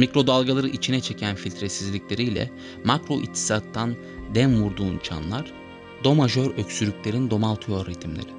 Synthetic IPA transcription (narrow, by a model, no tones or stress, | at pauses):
mikɾo̞d̪alˠɡalˠaɾɯʔit͡ʃʰinɛt͡ʃʰe̞cʰænfilʲt̪ʰɾesizlʲiclʲe̞ɾijlʲɛ̰ | makɾo̞ʔḭt̪ʰːi̥sat̪ʰːan | d̪ɛnvuɾd̪uːnt͡ʃʰa̰nlˠaɾ̥ | d̪o̞maʒø̞ɾøcsyɾʲycʲlʲe̞ɾind̪o̞malˠt̪ʰɯjo̞ɾet̪ʰimlʲḛɾi